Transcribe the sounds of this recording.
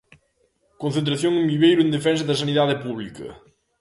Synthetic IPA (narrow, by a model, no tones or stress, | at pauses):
kõn̟θẽnt̪̬ɾɐθjoŋẽmbiβejɾʊend̪efɛns̬ɐðɐsɐniðaðɪpuβlikɐ̰